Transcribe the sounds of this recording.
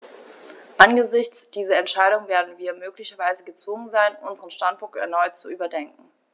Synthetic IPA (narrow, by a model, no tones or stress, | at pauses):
ʔanɡəzɪçt͡sd̥iːzɐɛntʃaɪɾʊŋveːɐdn̩viːɐmøːklɪçɐvaɪzəɡət͡sv̥ʊŋənzaɪnʔʊnzəʁənʃtantpʰʊŋk̚tɛ̰ɐnɔʏtt͡suʔyːbɐdɛŋk̚ŋ̩